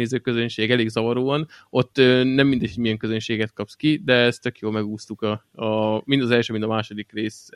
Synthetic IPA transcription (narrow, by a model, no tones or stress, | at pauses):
eːzøːkø̞zønʃeːɡɛleːɡzɒvɒɾoːɒno̞t̪ːøːnɛmːind̪ɛchoɟmiɛŋkøzønʃeːɡɛt̪̚kɒpskid̪ɛɛst̪ø̞kjoːlmɛɡuːst̪ukɒ | mind̪ɒzɛlʃøːmint̪ɒmaːʃo̞d̪ikreːs